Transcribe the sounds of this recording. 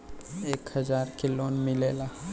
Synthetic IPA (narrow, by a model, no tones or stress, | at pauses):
eːkhɐd͡ʒaːɾkɪloːnmɪleːla